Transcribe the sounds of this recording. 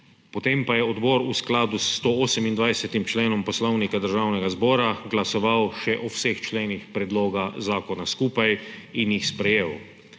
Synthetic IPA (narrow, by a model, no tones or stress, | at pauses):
pɔt̪empajɛɔd̪bɔːɾusklaːd̪ust̪ooːsɛmind̪ʋajsɛt̪imt͡ʃleːnɔmpɔslɔwnikad̪əɾʒaːwnɛɡazbɔːɾaɡlasɔʋawʃɛʔɔwsext͡ʃleːnixpɾɛd̪loːɡazaːkɔnaskuːpajinjixspɾɛjeːw